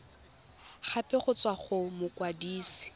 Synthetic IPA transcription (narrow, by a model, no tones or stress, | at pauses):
χapɪχʊt͡sʼwaχʊmʊkwadiːsi̥